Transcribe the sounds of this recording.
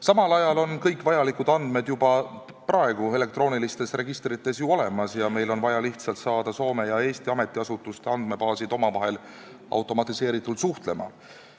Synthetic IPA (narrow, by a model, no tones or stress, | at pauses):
sɑmɑlɑjɑlo̞nkɤjkˑvɑjɑlikud̪ɑnd̪̥me̞d̪jubɑ | prɑe̞ɡ̥ue̞le̞kt̪ro̞ːnilist̪e̞sre̞ɡ̥ist̪rit̪ːˑe̞sjuo̞le̞mɑsjɑme̞jlo̞nvɑjɑliht̪sɑlt̪sɑːd̪̥ɑso̞ːme̞jɑe̞ːst̪iɑme̞t̪ːˑiɑsut̪ːˑust̪eɑnd̪me̞pɑːsid̪̥o̞mɑvɑɦe̞l | ɑ̰wt̪ˑo̞mɑt̪ːˑise̞ːɾit̪ːˑuld̪suht̪le̞mɑ̰